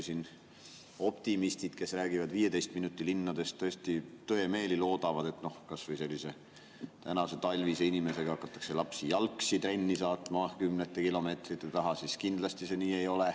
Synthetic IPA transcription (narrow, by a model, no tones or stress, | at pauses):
sin | o̞pt̪imist̪it̪ke̞sræːɡ̥ivɑd̪viːje̞t̪e̞jst̪minut̪ːˑilinːɑd̪e̞st̪ːɤest̪it̪øe̞me̞ːlilo̞ːd̪̥ɑvɑd̪̥e̞t̪no̞hkɑsvɤjse̞lʲːise̞ | t̪ænɑse̞t̪ɑlʲviːseinime̞se̞ɡ̥ɑɑkːˑɑt̪ːˑɑ̥kse̞lɑpsijɑlksit̪ɾe̞nʲːisɑːt̪ˑmɑkymnet̪ːˑekilo̞me̞ːt̪rit̪ˑːet̪ɑɦɑsiskind̪lɑst̪ise̞niːejo̞le